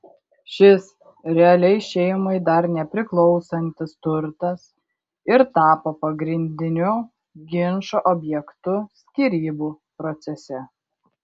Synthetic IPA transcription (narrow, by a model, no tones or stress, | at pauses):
ʃʲɪs | ɾʲɛɐlʲɛɪʃʲɛɪmɐɪd̪ɐɾnʲɛpʲɾʲɪklˠɒʊsɐnʲt̪ʲɪst̪ʊɾt̪ɐs | ɪɾt̪ɑːpoːpɐɡɾʲɪnʲd̪ʲɪnʲʊ | ɡʲɪnʃoʔɔbʲjɛkt̪ʊsʲkʲiːɾʲiːbuː | pɾɔt̪sʲɛsʲɛ